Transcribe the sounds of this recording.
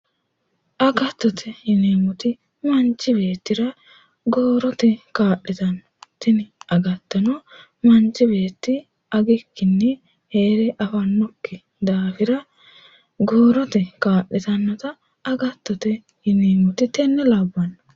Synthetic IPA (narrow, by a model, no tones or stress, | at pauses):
ʔɐɡɐt̪ːɔt̪ʰɛhɪneːmʊt̪ɪ | mɐnt͡ʃːɪbe̞ːt̪ːɪɾɐ | ɡoːɾɔt̪ɛkaːɗɪt̪ɐnːɐt̪ɛnɪɐɡɐt̪ːɐnɔ | mɐnt͡ʃːɪbe̞ːt̪ːɪ | ɐɡɪkːɪnːɛ | heːɾɛʔɐfɐnːɔkːɪ | d̪aːfɪɾɐ | ɡoːɾɔt̪ɛkaːɗːɛt̪ɐnːɐt̪ɐ | ɐɡɐt̪ːɔt̪ɛ | hɪneːmʊt̪ɪt̪ɛnːɛlɐbːɐnːɐ